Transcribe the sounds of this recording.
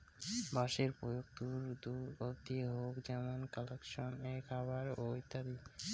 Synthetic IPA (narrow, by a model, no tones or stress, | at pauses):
baʃeɾpɾojok̚t̪uɾd̪uɾobd̪ieɦokd͡ʑɛmonkɔlekʃonekʰaβaɾojt̪ad̪i